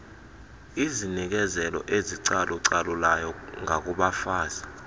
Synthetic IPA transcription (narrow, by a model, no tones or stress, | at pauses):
izinik̬ɛzɛlɔ̰ʔeziǀaluǀalulajɔŋʱak̬ʼuɓafaːza